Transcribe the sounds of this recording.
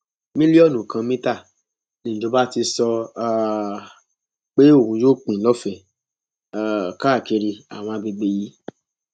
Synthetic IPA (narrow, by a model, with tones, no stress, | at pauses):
mĩ˦li˦ɔ˦˨nũ˨kã˧mĩ˦ta˦˨ | nĩ˨d͡ʒo˨˧˦ba˦ti˧sɔ˧˦˧ | k͡pe˦o˦˨ɾũ˧˦jo˦k͡pĩ˨lɔ˦fɛ˨ | ka˦˨ke˧ɾi˧a̰˨w̃ɔ̃˧a˧bi˧ɡ͡be˧ji˨˦